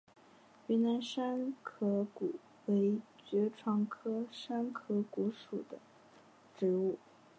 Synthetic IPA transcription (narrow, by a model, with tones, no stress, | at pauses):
y˧˥na˧˥nʂa˥nkʰɤ˧˥ku˨˩˦ | we˧˥ɪt͡ɕɥɛ˧˥ʈ͡ʂʰwɑ˧˥ŋkʰɤ˥ʂa˥nkʰɤ˧˥ku˧˥ʂu˨˩d̪ə˦ | ʈ͡ʂɻ̩˧˥u˥˩